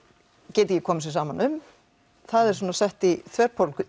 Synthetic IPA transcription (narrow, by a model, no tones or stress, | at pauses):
cɛːt̪ɪcɛkʰɔːmɪs̬vɪsaːmanʏm | θaðɛɾ̥sɔːnasɛht̪iθʰvɛɾ̥pʰolkʏ